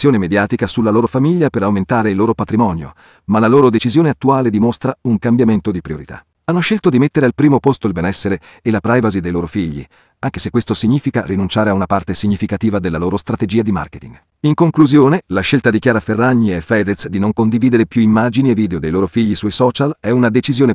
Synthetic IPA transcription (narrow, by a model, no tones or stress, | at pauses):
sjoːnemed̪jaːt̪ikasulːaloːɾofamiʎːapeɾawment̪aːɾeilːoːɾopat̪ɾimɔːnjo̰ | malaloːɾod̪et͡ʃizjoːneat̪ːuaːled̪imost̪ɾauŋkambjament̪od̪ipɾioɾit̪a̰ | anːoʃelt̪od̪imet̪ːeɾealpɾiːmopost̪oilbɛnɛsːeɾeː | lapɾajvazid̪ejloːɾofiʎːḭ | aŋk̟esekːwest̪osiɲːiːfikarinunt͡ʃaːɾeaunapart̪esiɲːifikat̪iːvad̪elːaloːɾost̪ɾat̪ed͡ʒiːad̪ima̰rket̪iŋɡ | iŋkoŋkluzjoːnelaʃːelt̪ad̪ik̟jaːɾaferːaɲːiefɛd̪et̪sd̪inoŋkond̪iviːd̪eɾepjuimːaːd͡ʒinievːiːd̪eod̪ejloːɾofiʎːisuɔjsɔːt͡ʃalɛunad̪et͡ʃizjoːne